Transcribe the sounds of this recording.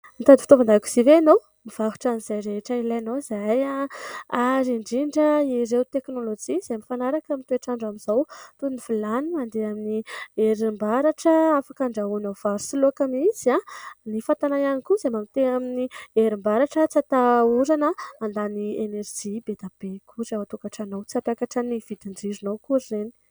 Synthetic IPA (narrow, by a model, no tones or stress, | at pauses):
mit̪ad̪ifit̪ovanaku̥z̥iveanow | miv̥aɦu̥ʈ͡ʂaniz̥ajɾeɦʈ͡ʂəilaanozajaaɾiɳɖ͡ʐiɳɖ͡ʐəiɾewt̪eknolod͡ʒiz̥amifanaɾakamit̪ueʈ͡ʂaɳɖ͡ʐamiz̥awt̪uunivilaniand̪eaminieɾimbaɾaʈ͡ʂəafakaɳɖ͡ʐaunawvaɾusiluakamiz̥anifant̪anajanikuzamamit̪eaminieɾimbaɾaʈ͡ʂət͡sat̪auɾanəand̪anieneɾd͡ʒibed̪ab̥ekʰuɾawat̪ukaʈ͡ʂanowt͡siapakaʈ͡ʂənivid̪iɳɖ͡ʐiɾinowkuɾireni̥